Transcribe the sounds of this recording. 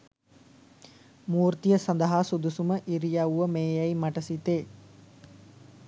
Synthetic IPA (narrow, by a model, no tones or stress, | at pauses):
muːɾt̪ijəsɐnd̪ɐɦaːsud̪usuməʔiɾijauʋəmeːjɐjmɐʈɐsit̪eː